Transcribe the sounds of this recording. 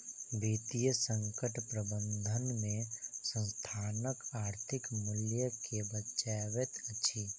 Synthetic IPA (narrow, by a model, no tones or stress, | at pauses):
biːt̪ijəsə̃ŋkəʈpɾəbə̃nd̪ʱənmẽsə̃nst̪ʰaːnəkaːɾt̪ʰɪkmʊljəkebətːʃaːʋet̪ət͡ʃʰi